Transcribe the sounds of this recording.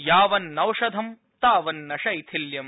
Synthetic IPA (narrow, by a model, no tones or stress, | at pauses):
jaːʋɐnːɐwʂɐd̪ʱɐm | t̪aːʋɐnːɐʃɐjt̪ʰiljɐm